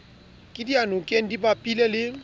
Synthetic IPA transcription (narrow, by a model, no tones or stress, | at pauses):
kʼɪdianʊkʼen̩dibapʼilɛlɪ